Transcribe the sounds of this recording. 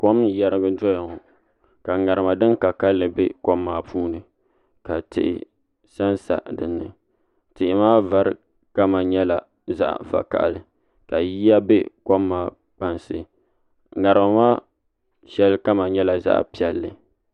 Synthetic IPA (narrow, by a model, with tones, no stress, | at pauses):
ko˦mjɛ˨ɾɨ˦ɡɨ˦dɔ˦jɔ˨ŋɔ˨ | ka˨ŋa˨ɾɨ˨ma˨dɨ˦n˦ka˨ka˦lːɨ˨bɛ˦ko˦mːaː˨puː˦nɨ˨ | ka˨tɪ̰˨ʔɪ̰˨ | sa˦nsa̰˨dɨ˨nːɨ˨ | tɪ˨ʔɪ˨maː˦va˨ɾɨ˦ | ka˦ma˨ɲɛ˦la˨ | za̰˦ʔva̰˨ka̰˨ʔlɨ˨ | ka˨ji˦ja˦be˦ko˦mːaː˨˦ | k͡pa˨nsɨ˨ | ŋa˨ɾɨ˨ma˨maː˦ | ʃɛ˦lka˦ma˨ɲɛ˦la˨za̰˦ʔpi˨ɛ˨lːɨ˨